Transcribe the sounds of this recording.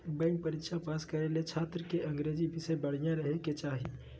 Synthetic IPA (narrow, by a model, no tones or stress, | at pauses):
bɛ̃ːŋk̚pəɾikʃapaːskəɾelet͡ʃʰaːt̪ɾəkeʔɐ̃ŋɡɾeːd͡ʒibʱɪsebəɽ̤ijãɾəɦeket͡ʃaːɦi